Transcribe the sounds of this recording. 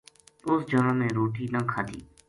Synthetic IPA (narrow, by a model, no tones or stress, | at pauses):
ʊsd͡ʒoːɾãːmẽːɾoːʈiːnə̃ːkʰaːd̪ḭː